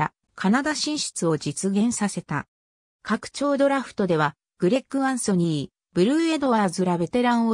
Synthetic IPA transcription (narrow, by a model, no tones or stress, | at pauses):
a̰ | kʰanad̪aɕĩɰ̃ɕi̥t͡sɨo̞d͡ʑit͡sɨɡẽ̞ɰ̃sase̞t̪a̰ | kakɯ̥t͡ɕo̞ːd̪o̞ɾaɸɯ̟̥t̪o̞d̪e̞βa | ɡ̥ɯ̟ɾe̞kːɯãɰ̃so̞ɲ̟i | b̥ɯ̟ɾɯːe̞d̪o̞βazɨɾabe̞t̪e̞ɾãɰ̃o